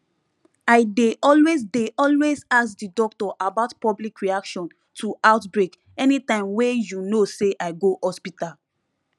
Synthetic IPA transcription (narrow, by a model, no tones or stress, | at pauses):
aɪdeʔɔlwezdeʔɔlwezaksdidɔk̚tɔʔabaʊtpɔblikɹiakʃɔ̃n | tʰuʔaʊtbɹek | ɛnitãɪ̃mwejunoseʔaɪɡohɔspital